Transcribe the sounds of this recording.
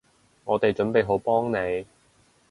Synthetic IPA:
ŋɔː˨˧t̪e˨jt͡ʃɵ˨˥npe˨jɦo˨˥wpɔː˥ŋne˨˧j

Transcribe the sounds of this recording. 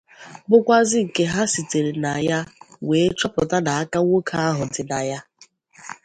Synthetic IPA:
bʊ˦kʷa˦zɪ˦ŋ̩˨ke˦ɦa˦si˨te˨ɾe˨na˨ja˦weː˨˦t͡ʃɔ˦pʊ˨ta˦na˨a˦ka˦ŋʷo˦kʰa˦a˦ɦʊ˨dɪ˨na˨ja˦

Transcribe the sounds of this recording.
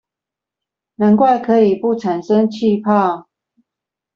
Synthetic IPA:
na˨˦nkwa˥˨ɪkʰɤ˨˦i˨˩pu˥˨ʈ͡ʂʰa˨˩nʂə˦ŋt͡ɕʰi˥˧pʰa˥˨

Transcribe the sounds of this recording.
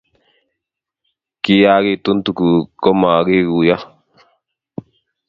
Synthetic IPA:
ki˦jaː˦ɡi˨t̪u˦nt̪u˨ku˨ko˦maː˨ɡi˦ɡu˨ja˦

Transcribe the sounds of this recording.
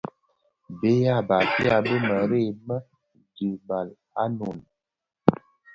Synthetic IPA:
be˦ja˦˨ba˨fi˦a˨bə˦mə˨ɾe˦˨mə˦ | d͡ʒi˨ba˨l | a˦no˨n˨

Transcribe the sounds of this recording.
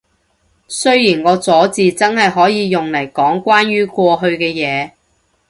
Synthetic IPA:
sɵ˥ɥjiː˨˩nŋɔː˨˧t͡sɔː˨˥t͡siː˨t͡sɐ˥nhɐ˨jɦɔː˨˥jiː˨˧jʊ˨ŋlɐ˨˩jkɔː˨˥ŋkʷaː˥nɥyː˥kʷwɔː˧ɦɵ˧ɥkɛː˧jɛː˨˧

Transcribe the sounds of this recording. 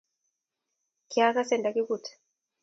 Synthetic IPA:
kia˦ka˦sɛ˦˨nda˨ki˦ku˨tɛ̥˨

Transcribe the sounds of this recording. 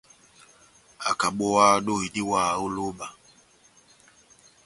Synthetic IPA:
a˨ka˨ɓɔ˨wa˦˨˦ɗo˦hi˨di˦waː˦˨u˦lo˦ɓa˨

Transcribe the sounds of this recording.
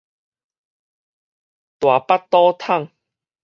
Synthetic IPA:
t̪wa˨˩pa˦tt̪ːɔ˦t̪ʰa˥˨ŋ

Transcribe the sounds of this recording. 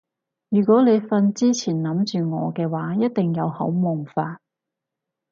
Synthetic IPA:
jyː˨˩kʷɔː˨˥le˨˧jfɐ˧nt͡siː˥t͡sʰiː˨˩nnɐ˨˥mt͡ʃyː˨ŋɔː˨˧kɛː˧waː˨˥jɐ˥t̚t̪ɪ˨ŋjɐ˨˧whɐ̰˨˥wmʊ˨˩ŋfaː˧t̚

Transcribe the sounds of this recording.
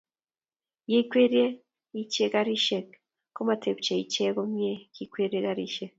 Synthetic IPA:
ji˦kwe˦ɾe˦ | i˦t͡ʃe˦ɡaɾi˦ʃek | ko˦ma˨te˨bt͡ʃe˨i˨t͡ʃe˦ɡo˦mje˦ki˨kwe˦ɾi˦e˦ɡa˦ɾiʃek̚

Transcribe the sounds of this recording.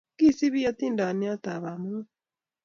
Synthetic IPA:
ki˦si˦βi˦ja˦t̪i˦˨nda˨ni˦a˦t̪a˨βa˨mu˦

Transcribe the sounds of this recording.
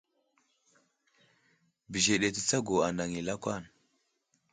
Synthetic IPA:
bi˨ʒe˨ɗe˨ti˦t͡sa˦ɡo˨a˨na˨ŋi˨la˦kʷa˦˨n

